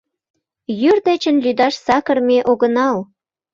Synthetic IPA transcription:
jyrd̪et͡ɕə̆nlyd̪ɑʃsɑkərmeʔoɣənɑl

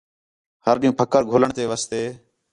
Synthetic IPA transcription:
həɾɗĩũːpʰəkəɾɡʱoːləɳt̪eːʋəːst̪eː

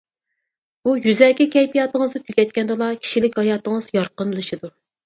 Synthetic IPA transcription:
b̥ujyzɛkʲɛkʲʰɛjpʰijɑːt̪əŋəzd̪ɨk̪ʰʲykʲɛt̪̚ʲkʲɛnd̪ɨlˠɑkʲʰi̥ʃilɪkʲhɑjɑːt̪əŋəzjɑɾqənlˠɨʃɨd̪u

